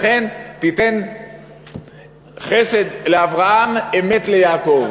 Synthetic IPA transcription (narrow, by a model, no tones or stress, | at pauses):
χent̪it̪e̞n | χesed̪leavʁaamemet̪lejaːkov